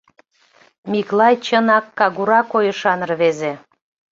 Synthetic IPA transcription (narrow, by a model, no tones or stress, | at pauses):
mʲiklɑjt͡ɕənɑkːɑɣuɾɑkojəʃɑnərβeze